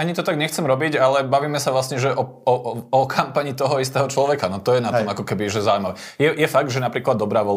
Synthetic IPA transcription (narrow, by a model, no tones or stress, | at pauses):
aɲit̪ɔt̪aɡɲɛxt͡sɛmɾɔbiɟalɛbaʋiːmɛsaʋlasɲɛʒɛʔɔ | ɔɔkʰampaɲit̪ɔɦɔist̪ɛːɦɔt͡ʃlɔʋɛkanɔt̪ɔjɛnat̪ɔmakɔkɛbiʒɛzaujmaʋɛ | jɛjɛfaɡ̚d̪ʒɛnapɾiːklad̪ːɔbɾaːʋɔl